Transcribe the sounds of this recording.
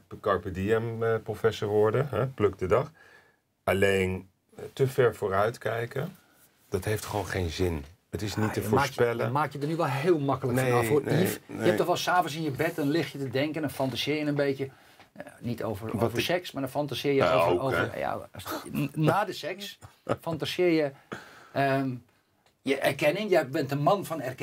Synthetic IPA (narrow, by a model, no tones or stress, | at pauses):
kɑɹpədiɛmprofɛsəɹʋɔɹdəɦɛpløk̚dədɑx | alejn | təfɛɹfoːɾœɥtkɛjkə | d̥ɑtɦejftχəʋownχejnzɪn | ətɪsnitəfoːɹɹspɛləmaːkjədənyʋɔlˠɦɪːlˠmɑkələkfɔnɔfoifjɛtɔxʋɛlˠsaːvənsɪnjəbɛt̚dɔnlɪxtjətədɛŋkəndɔnfɔntasɪːjənənbeːtjə | nitʰo̰ːvərovəsɛksmaːdɔnfɔntasɪːɹjəvo̰vəja̰ | naːdəsɛksfɔntasɪːjə | ə | jəʔɛrkɛnɪŋjəbɪntənmɑnfɔnɛrk